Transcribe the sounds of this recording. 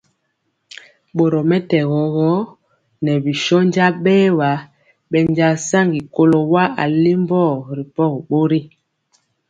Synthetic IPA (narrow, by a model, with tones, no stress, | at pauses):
ɓo˨ɾɔ˨mɛ˦tɛ˨ɣɔ˨˦ɣɔ˦ | nɛ˨bi˨ʃɔ˦n˦d͡ʒa˦ɓɛː˦wa˨˦ | ɓɛ˨n˦d͡ʒa˨sa˦ŋɡi˨ko˦lo˨wa˦a˨li˦m˦bɔ˦˨ɾi˨pɔ˦˨ɣɓo˦ɾi˦